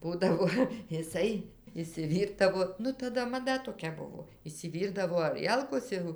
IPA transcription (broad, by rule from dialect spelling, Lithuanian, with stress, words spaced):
ˈbuːdɐʋoː ɪˈsɐɪ ɪʃʲsʲɪˈʋʲiːrdɐʋoː ˈnʊ tɐˈdɐ mɐˈdɐ toːˈkʲɛ ˈbʊʋoː ɪʃʲsʲɪˈʋʲiːrdɐʋoː ɐˈrʲiɛlˠkoːs ˈjɛʊ